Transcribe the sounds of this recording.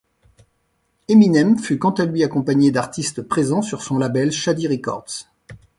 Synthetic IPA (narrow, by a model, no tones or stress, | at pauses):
eminɛmfykɑ̃t̪alɥiakɔ̃paɲed̪aʁt̪ist̪pχezɑ̃syʁsɔ̃labɛlʃad̪iʁikɔ̰ʁd̪s